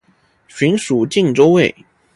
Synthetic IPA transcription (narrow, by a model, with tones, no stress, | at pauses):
ɕi˧˥nʂu˨˩t͡ɕi˥˩ŋʈ͡ʂo˥ʊwe˥˩ɪ